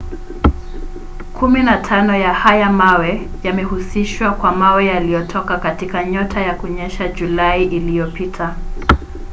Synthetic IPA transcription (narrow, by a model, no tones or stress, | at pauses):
kʰuminatʰanɔjahajamawɛ | jamɛhusiʃwakwamawɛjalijɔtʰɔkakatikaɲɔtʰajakuɲɛʃad͡ʒulaiʔilijɔpitʰa